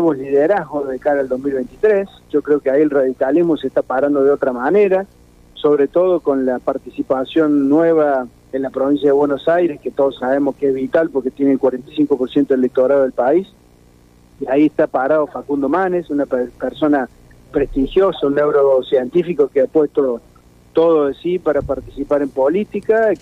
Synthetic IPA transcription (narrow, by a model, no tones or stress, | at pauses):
eβoliðeɾaɦɣozðekaɾaːld̪oɦmilβejnt̪i̥t̪ɾes | ʒ̥o̞kɾeo̞keaielraðikalizmoseht̪apaɾand̪o̞ðeo̞t̪ɾamaneɾa | soβɾet̪oð̞oko̞nlapaɾt̪isipasjo̞nːweβa | enlapɾoβins̬jaðeβwenosajɾesket̪oðosaβemohkeehβit̪alpoɾket̪jenelkwaɾent̪ajsiŋkopoɾsjent̪oelek̚t̪oɾaðoð̞elpais | iaieht̪apaɾaðofakund̪omanesunapeɾso̞na | pɾeht̪ixjo̞saunːewɾosjent̪ifikokeapwest̪o | t̪oðosipaɾapaɾt̪i̥sipaɾempolit̪ika